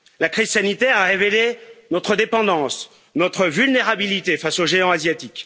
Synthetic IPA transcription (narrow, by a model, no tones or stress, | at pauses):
lakχiz̥sanit̪ɛʁaʁevelenɔt̪χəd̪epɑ̃d̪ɑ̃s | nɔt̪χəvylneʁabilit̪efasoʒeɑ̃azjat̪ik